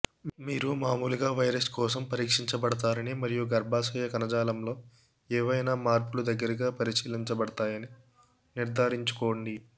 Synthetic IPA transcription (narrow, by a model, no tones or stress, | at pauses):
miːɾumaːmuːluɡaːʋɐjɾɐskɔːsɐmpɐɾiːkʂiɲt͡ʃɐbɐɽɐt̪aːɾɐnimɐɾijuɡɐɾbʱaːsɐjɐkɐnɐd͡ʒaːlɐmlo̞ː | eːʋɐjnaːmaːɾpulud̪ɐɡːɐɾɐɡaːpɐɾisiːliɲt͡ʃɐbɐɽɐt̪aːjɐni | niɾd̪ʱaːɾiɲt͡ʃu̥koːɳɖi